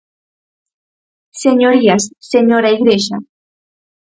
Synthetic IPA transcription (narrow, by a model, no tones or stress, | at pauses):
seɲoɾiasːeɲoɾaiɡɾeʃa